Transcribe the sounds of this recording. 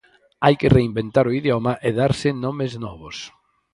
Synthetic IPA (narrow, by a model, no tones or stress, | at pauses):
ajkɪreimbent̪aɾʊiðjomɐʔeðaɾsɪnɔmɪznɔβʊs